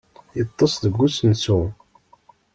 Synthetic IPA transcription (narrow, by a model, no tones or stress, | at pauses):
jət̪ˤːɑsˤðəɡːusənsu